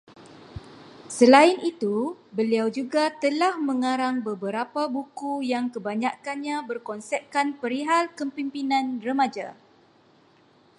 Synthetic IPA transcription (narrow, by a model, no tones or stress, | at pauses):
səlaɪnit̪ubəliawd͡ʒuɡat̪əlahmə̃ŋãɾaŋbəbəɾapabukujaŋkəbaɲakanɲãbərkɔnsɛp̚kanpəɾiɦalkəmpimpinãnrəmãd͡ʒa̰